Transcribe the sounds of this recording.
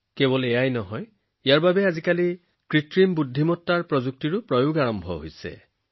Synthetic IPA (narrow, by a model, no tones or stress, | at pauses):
kebɔlejajnɔɦɔj | ijaɹbabeazikali | kɹitɹimbudʱːimɔtːaɹpɹɔzuk̚tiɹupɹɔjoɡaɹɔmbʱɔ̰ɦo̰jsḛ